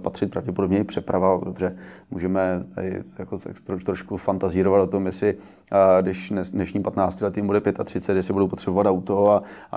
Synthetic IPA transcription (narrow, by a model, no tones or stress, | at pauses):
pat̪r̝̥ɪt̪̚pɾavɟɛpodo̞bɲɛɪpr̝̥ɛpɾavadobrɛmṵʒɛmɛt̪a̰dɪ̰jakot̪akt̪ɾot̪ɾoʃkufant̪aziːɾovat̪ot̪o̞mjɛsɪ | dɪʃɛsdnɛʃɲiːpat̪naːt͡scɪlɛt̪jɪmbudɛpjɛt̪at̪r̥ɪtt͡sɛt̪jɛsɪbudowpo̞t̪r̥ɛbovat̪awt̪o̞a